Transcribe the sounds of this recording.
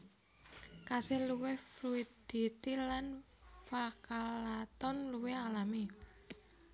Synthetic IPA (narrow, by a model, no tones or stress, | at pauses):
kasɪluwɪhfluid̪̥it̪ilan | fakalat̪ɔnluwɪhalami